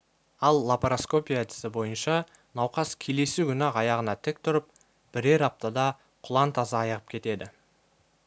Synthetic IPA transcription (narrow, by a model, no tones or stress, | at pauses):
ɑlˠːapɾosko̞pʲijat̪ʲʰɪ̥sɪbo̞jənʃɑ | nɑwqɑskʲʰe̞le̞sukʲʰʏnɑqɑjɑʁənɑt̪ʰɪk̚t̪ʰʊɾəp̚ | b̥ɪɾe̞ɾɑp̚t̪əd̪ɑ | qʰʊlˠɑnt̪ʰɑzɑːjəʁəp̚kʲʰe̞t̪e̞d̪ɪ